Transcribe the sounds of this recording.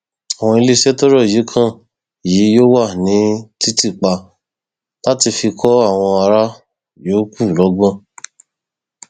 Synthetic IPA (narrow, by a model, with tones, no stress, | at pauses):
a˨w̃ɔ̃˧i˧le˧ʃe˦tɔ˦ɾɔ˦˨ji˨˦kʰã˦˨ | ji˨˦jo˦wa˦˨nĩ˨˦ti˦ti˦˨k͡pa˧ | la˦ti˧fi˧kʰɔ˦a˦˨w̃ɔ̃˧a˧ɾa˦ | joː˨˦ku˦˨lɔ˨˦ɡ͡bɔ̃˦˨